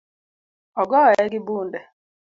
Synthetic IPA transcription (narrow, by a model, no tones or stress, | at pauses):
ɔɡɔɛɡɪbuːndɛ